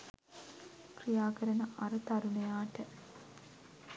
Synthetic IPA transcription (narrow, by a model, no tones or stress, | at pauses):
krijaːkəɾənəʔaɾət̪aɾunejaːʈə